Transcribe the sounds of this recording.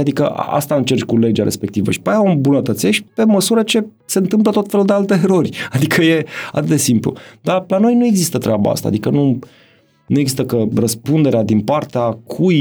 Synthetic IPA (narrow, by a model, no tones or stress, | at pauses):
ad̪ikə̰ʔa̰st̪aɨnt͡ʃe̞rt͡ʃʲkule̞d͡ʒaɾʔespe̞kt̪ivə̰ʃi̥pajaombunət̪ət̪se̞ʃtpe̞məsuɾət͡ʃe̞ | se̞ɨnt̪ɨmp̬lət̪ot̪fe̞luld̪ealt̪e̞ːɾo̞rʲad̪ikʰəje̞a̰t̪ɨt̪d̪e̞simplṵd̪alano̞jnue̞ɡzist̪ət̪ɾeaba̰a̰st̪a̰ːd̪ikənu | nueɡzist̪əkərəspund̪e̞ɾead̪inpart̪eakʰuj